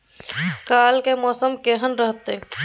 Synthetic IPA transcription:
kalkemɔːsəmkeɦənɾəɦət̪ːe

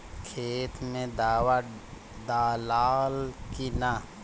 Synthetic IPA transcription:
kʰeːt̪mẽd̪ːwa | d̪aːlaːlkina

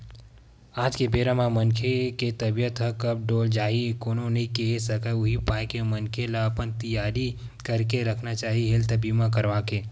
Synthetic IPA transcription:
aːd͡ʒkebeːɾãmãmɐnkʰeket̪ɐbijət̪ɦəkɐb̚ɖoːld͡ʒaːɦikoːnõnɐɦĩkeɦesɐkaʊɦipaːjkemɐnkʰelapənt̪ɐjaːɾi | kɐɾkeɾɐkʰnat͡ʃaːɦiɦelt̪ɐbiːmãkɐɾʋaːkeː

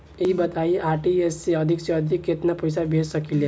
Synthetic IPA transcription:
eibət̪aiʔaːɾʈiesːeʌd̪ʱikseʌd̪ʱikːet̪napəjsabʱessəkile

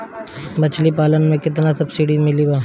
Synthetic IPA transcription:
bɐt͡ʃʰlipaːlənmẽkɪt̪nasɐbsiɽimɪlibaː

